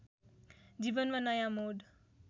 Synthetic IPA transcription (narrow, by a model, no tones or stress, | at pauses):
d͡ʒibʌnmanʌjamoɖ